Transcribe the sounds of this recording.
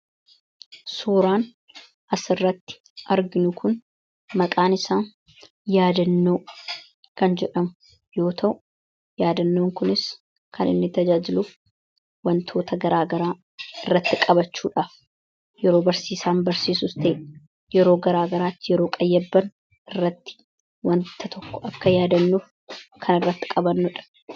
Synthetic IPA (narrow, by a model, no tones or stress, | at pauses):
suːɾaːn | ʔɐsɪrːɐt̪ːɪ̥ | ʔɐɾɡɪnʊkʊn | mɐkʼaːnɪsaːn | jaːd̪ɐnːo̞ː | kɐnd͡ʒɛᶑɐmʊ̥ | jo̞ːt̪ʰɐʔʊ | jaːd̪ɐnːoːŋkʊnɪs | kʰɐnɪ̰nːɪt̪ɐd͡ʒaːd͡ʒɪlʊf | wɐnt̪ʰo̞ːt̪ʰɐɡɐɾaːɡɐɾaː | ɪrːɐt̪ːɪkʼɐbɐt͡ʃːuːᶑaːf | jɛɾoːbɐɾsiːsaːnbɐɾsiːsʊst̪ɐʔeː | jɛɾo̞ːɡɐɾaːɡɐɾaːt̪ːɪjɛɾoːkʼɐjːɐbːɐn | ɪrːɐt̪ːɪ̥ | wɐnt̪ʰɐt̪ʰɔkːɔ̥ʔɐkːɐjaːd̪ɐnːuf | kʰɐnɪrːɐt̪ːɪ̥kʼɐbɐnːʊᶑɐ̥